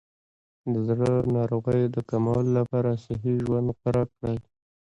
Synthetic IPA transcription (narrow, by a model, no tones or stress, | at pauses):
d̪əzɽənɑɾoɣəjd̪əkamɑlːapɑɾasɪɦiʒwand̪xaɾɑkɽəj